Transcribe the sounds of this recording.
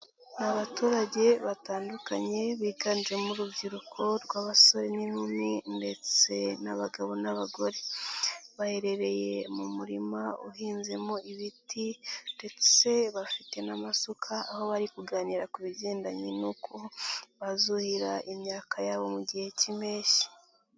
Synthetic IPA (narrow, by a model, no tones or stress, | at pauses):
naβatuːɾaɟe̞βataːndukaɲe̞βiːɡand͡ʒwemuɾubɟiɾukʰo̞ɾɡwaːβaso̞ɾeninuminde̞t͡se̞naβaɡaβo̞naβaɡo̞ɾe̞ | βahe̞ɾe̞ɾe̞je̞mumuɾimaṵhiːnze̞moʔiβitinde̞t͡se̞βafite̞namasukʰaːho̞βaɾikuɡaːniɾakuβiɟe̞ːndaɲinukʰoβazuhiɾaʔimɲaːkʰajaːβo̞muɟihe̞cime̞ːʃi̥